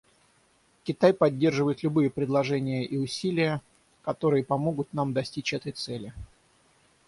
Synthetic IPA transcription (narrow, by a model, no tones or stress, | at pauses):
kʲɪt̪ajpɐdʲːe̞rʐɨvəjɪt̪lʲʊbɨjəpɾʲɪd̪lˠɐʐɛnʲɪjəʔiʊsʲilʲɪjə | kɐt̪o̞ɾɨjəpɐmo̞ɡʊt̪namd̪ɐsʲtʲit͡ɕɛt̪əjt̪sɛlʲɪ